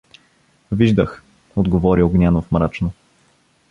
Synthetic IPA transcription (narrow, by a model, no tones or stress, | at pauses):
viʒd̪əx | od̪ɡovɔɾioɡnʲanofmɾat͡ʃno